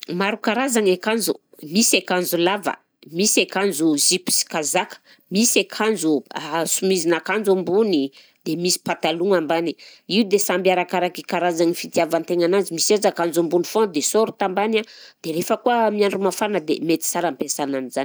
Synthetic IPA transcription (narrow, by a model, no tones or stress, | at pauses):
maɾukaɾazaŋekand͡ʒṵmisekanzulavə̰ | misekand͡ʒuzipi̥si̥kazakə̥ | misekʰand͡ʒuasumizinakand͡ʒumbuni | d̪̥emisi̥pat̪aluŋambaniiud̪esambjaɾakaɾakikaɾazaŋifit̪iavant̪eŋanand͡ʒimisazakand͡ʒumbunifõd̪esoɾut̪ambanad̪̥eɾefəkuəmiaɳɖ͡ʐumafanəd̪ḛmet̪i̥saɾampesananizani̥